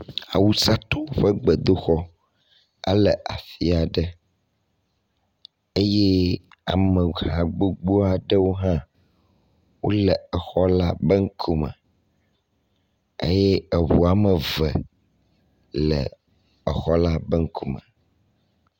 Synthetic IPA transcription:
a̰˨wu˦sa˦t̪o˦o˦ɸə˦ɡ͡bɛ˨d̪o˦xɔ˦ | a̰˦lɛ˨ʔa̰˨fi˦a˨ɖɛ˦ | e˦jɛ˦ | a̰˨mə̃˨hã˨ɡ͡bo˦ɡ͡bo˦a˨ɖə˦wo˦ɦã˦ | wo˦lɛ˨ɛ˨xɔ˦la˦bə˦ŋ̩˦kʰu˦mə̰˨ | ḛ˦jɛ˦ə˨wu˨a˨mə̃˨vɛ̰˨ | lɛ̰˨ | ɛ˨xɔ˦la˦bɛ˦ŋ̩˦kʰu˦mə̰̃˨

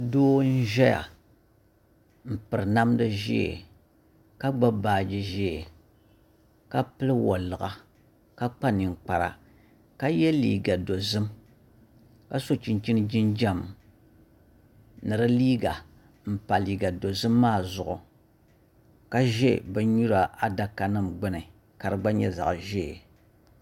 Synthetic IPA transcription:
doː˦n̩˦ʒɛ˦ja̰˨ | m̩˨pɨ˨ɾɨ˨na˦mdɨ˦ʒɛ̰˦˨ | ka˦ɡ͡ba˦baː˦˨d͡ʒɨ˦ʒɛ˦˨ | ka˦pɨ˦lɨ˦wɔ˨lɨ˨ɣa˨ | ka˦k͡pa˦nɨ˨ŋ˨k͡pa˨ɾa̰˨ | ka˦jɛ˦lḭː˨ɡa˨do˨zɨ˦m | ka˦so˦t͡ʃi˦nt͡ʃi˦nɨ˦d͡ʒi˦nd͡ʒa˦˨m | nɨ˨ɾɨ˦liː˦ɡa˨ | m̩˨pa˨liː˨ɡa˨do˨zɨ˦mːaː˦˨zʊ˨ʔʊ˨ | ka˦ʒɛ˦˨bɨ˦ɲu˦ɾa˨ʔa˦da˨ka˨nɨ˦mɡ͡bɨ˦nɨ˨ | ka˨ɾɨ˦ɡ͡ba˦ɲɛ˦za̰˨ʔʒɛ˦˨

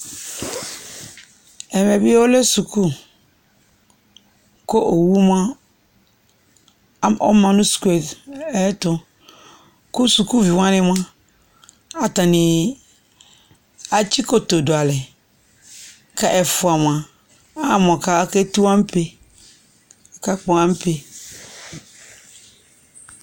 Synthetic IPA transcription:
ɛ˨mɛ̃˨bɪ˦o˦lɛ˦su˨kʰu˦ | ko˦ʔo˨wu˦m˦ã˦ | ɔ̰˦mã˨nʊ̃˦su̥˨ku˨˦e˨ɛ˦tʊ˦ | kʊ˦su˨ku˦vi˨wã˦nɪ̃˦m˦a˦ | a˨tã˨nɪ̃˨ | a˦t͡ɕi˦kʰo˨to˨dʊ˨a˨lɛ˨ | kʰa˦ʔɛ˨fʊ˨a˨m˨ã˨ | a˦˨m˨ɔ̃˨kʰa˦ke˦tu˦ã˦m̩˦pʰe˦ | a˨ka˦k͡pɔ̃˨˦ã˦m˦pʰe˨

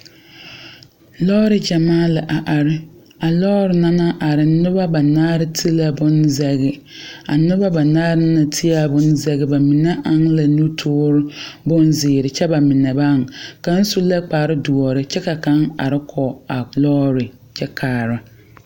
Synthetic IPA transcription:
lɔː˦ɾɪ˨d͡ʒa˨maː˦lɪ˨ʔa˨ʔa˨ɾɪ˦ | a˨lɔː˦ɾɪ˨na˦na˦ʔa˨ɾɪ˨˦nʊ˦ba˦ba˨naː˦ɾɪ˦tʰi˦la˨bʊ˦nzɛ˦ɣɪ˦ | a̰˨nʊ˦ba˦ba˨naː˦ɾɪ˦na˨tʰɪ˦a˦˨bʊ˦nzɛ˦ɣɪ˦ba˨mɪ˨nɛ˦ʔa˨ŋla˨nu˦tʰoː˦ɾɪ˦bʊ˦nzɪː˨ɾɪ˨t͡ʃɛ˦ba˨mɪ˨nɛ˨ba˦˨ŋka˦n̩˦su˦la˦k͡paː˨ɾɪ˦du˨ɔ˨ɾɪ˦t͡ʃɛ˦ka˨ka˦ŋa̰˨ɾɪ˦kʰɔ˨a˨lɔː˦ɾɪ˨ | t͡ʃɛ˦kʰaː˨ɾa˨

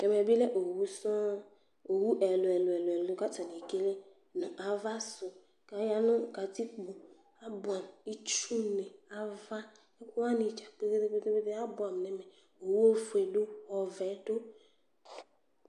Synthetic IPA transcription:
kɛ˨m˨ɛ˨bi˦lɛ˦ʔo˨wu˦sɔ̃˦ | o˨wu˦ʔɛ˨lʊ˨ɛ˨lʊ˨ɛ˨lʊ˨ɛ˨lʊ˨˦ka˦ta˨ni˨ke˦le˦ | nɔ̃˨ʔa˨va˦sʊ˨ | ka˨˦ja˦nʊ̃˦ka˨ti˦k͡po˨ | a˦bʊ˨a˨mi˦t͡ʃu˦ne˨a˨va˦ | ɛ˦ku˦a˦ni˨t͡ʃa˨k͡pe˦ɡe˦de˦k͡pe˦de˦be˦de˦a˦bʊ˨a˨m˨nɛ˨mɛ˨ | o˨wu˦o˦fu˨e˨do˦ɔ˨vɛ˨˦to˦

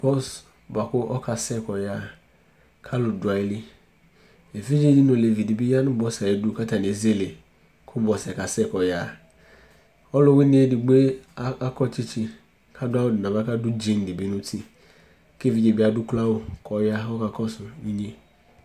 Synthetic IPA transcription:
pɔ˦˨s | ba˨kʊ˦ʔɔ˦kʰa˨sɛ˦˨kɔ˨ja˦˨ | kʰa˦lʊ˨dwa˨ɪ˦lɪ˦ | e˨fi˦d͡ʒe˦d͡ʒi˦nʊ̃˨le˨vi˨di˨bi˦ja˦nʊ̃˦bɔ˦sa˨e˨dʊ˦ka˦ta˨n˨e˨˦ze˦˨le˨ | kʰʊ˦bɔ˨sɛ˨ka˨sɛ˦˨kɔ˨ja˦˨ | ɔ˦lʊ˦wi˦n˦e˦dɪ˨ɡ͡be˦a˦kɔ˦t͡ʃi˦t͡ʃi˦ | kʰa˦dʊ˦a˦wʊ˨dnã˨ba˦ka˦dʊ˦d͡ʒe˦n˨dɪ˨bi˨˦nʊ̃˦tʰi˦ | ke˦vi˦d͡ʒe˨bɪ˦a˨dʊ˦kla˦wʊ˨kʰɔ˨ja˦ɔ˦ka˨kɔ˦sʊ˨i˦ɲe˦

